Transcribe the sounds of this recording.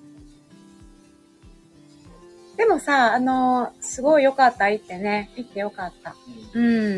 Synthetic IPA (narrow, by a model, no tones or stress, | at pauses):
d̪̥e̞mo̞saːno̞sɨɡo̞ijo̞kat̪ːait̪ːe̞ne̞it̪ːe̞jo̞kat̪ːa̰ɯ̟̃ɴ